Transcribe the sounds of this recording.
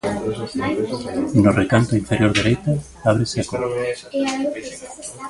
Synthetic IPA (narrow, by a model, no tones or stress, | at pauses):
norekant̪oiɱfeɾjoɾðeɾejt̪a | aβɾeseakor